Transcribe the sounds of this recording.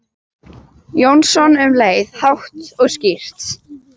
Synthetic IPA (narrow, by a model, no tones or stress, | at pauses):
jownsɔnʏmleːjðhawht̪ɔɣscir̥t̪